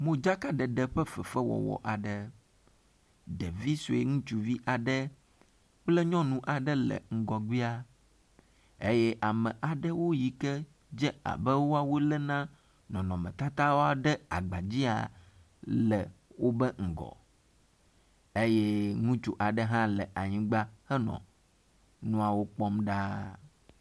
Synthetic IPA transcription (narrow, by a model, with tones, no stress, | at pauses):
mõ˦d͡ʒa˦ka˦ɖɛ˨ɖɛ˨ɸɛ˦fɛ˨fɛ˦wɔ̰˨wɔ̰˨ʔa˨ɖə˨ | ɖɛ˨vi˦so˨e˨ŋũ˦t͡ʃu˨vi˦ʔa˨ɖɛ˦ | k͡plɛ˦ɲɔ̃˦nũ˨ʔa˨ɖɛ˦lɛ̰˨ŋ̩˦ɡɔ˨ɡ͡bi˦a˦ | e˦jɛ˦ʔa˨mɛ̃˨ʔa˨ɖə˦wo˦ji˨kɛ˦ | d͡ʒɛ˦a̰˨bɛ˦wo˦a˨wo˦lɛ˦nã˦ | nɔ̃˨nɔ̃˨mɛ̰̃˨t̪a˦t̪a˦wo˦a˨ɖɛ˦a̰˨ɡ͡ba˨d͡ʑi˦a̰˨ | lɛ˨wo˦bɛ˦ŋ̩˨ɡɔ̰˨ | e˦jɛ˦ŋũ˦t͡ʃu˦ʔa˨ɖɛ˦ɦã˦lɛ˨ʔa˨ɲĩ˦ɡ͡ba˦hɛ˦nɔ̰̃˨ | nũ˦a˨wo˦k͡pɔ˦mɖa˦